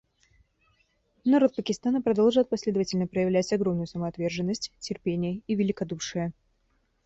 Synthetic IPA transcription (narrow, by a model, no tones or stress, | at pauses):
nɐɾo̞t̪̚pəkʲɪst̪anəpɾɐd̪olˠʐɨt̪̚pɐsʲlʲe̞d̪əvətʲɪlʲnəpɾəjɪvlʲætʲɐɡɾomnʊjʊsəməɐt̪vʲe̞rʐɨnːəsʲtʲtʲːɪrpʲenʲɪjəivʲɪlʲɪkɐd̪uʂɨjə